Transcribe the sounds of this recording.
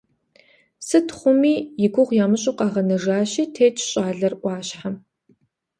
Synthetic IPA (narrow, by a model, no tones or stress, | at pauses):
sɨtχʷʊmiːjɪɡʷʊʁʷjaːmɨɕʼɪqɑːʁɐnɐʒaːɕiːtʰeːt͡ʃʰʼɕʼaːɮɐrʔʷɑːɕħam